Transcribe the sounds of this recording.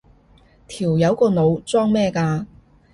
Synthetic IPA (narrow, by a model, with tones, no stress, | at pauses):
t̪ʰiː˨˩wjɐ˨˧wkɔː˧no˨˧wt͡sɔː˥ŋmɛː˥˧kaː˧